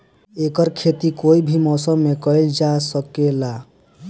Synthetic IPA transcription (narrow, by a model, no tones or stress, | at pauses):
ekəɾkʰet̪ikoibʱimɔsəmːekəjld͡ʒasəkela